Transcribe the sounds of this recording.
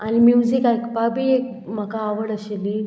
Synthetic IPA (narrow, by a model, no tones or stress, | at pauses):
animjud͡zikajkbabiek | m̤əkaːʋəɽəɕili